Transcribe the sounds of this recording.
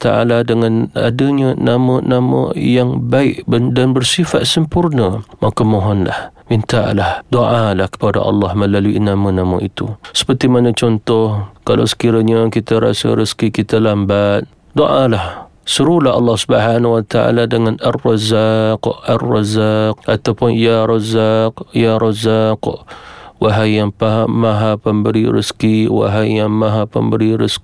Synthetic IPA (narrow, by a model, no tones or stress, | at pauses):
t̪aʔa̰ladəŋana̰dəɲənamənamə̰jaŋbaɪʔbədanbərsifat̪̚səmpurnəmakəmoɦɔnla̰hmint̪a̰ʔlahdoʔalahkə̥pada̰ʔɑ̰lːɑhməlaluḭnamənamə̃it̪usə̥pərt̪imanət͡ʃɔnt̪ɔhkalʔa̰wsə̥kiɾaɲakit̪aɾa̰sa̰ɾəskikit̪alambat̪̚ | doʔalah | səɾulahɑ̰lːɑhsubəɦanwat̪aʔa̰ladəŋanarːɑzaqʔarːɑzaq̚ʔat̪awpʊnjaɾɑzaqjaɾɑzakʔwaɦajaŋpaɦamaɦapəmbəɾiɾəskiwa̰ɦajaŋmaɦapə̰mbəɾiɾə̰sk